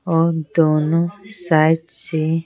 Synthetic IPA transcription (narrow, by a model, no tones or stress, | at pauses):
ɔd̪oːnõsaːjʈse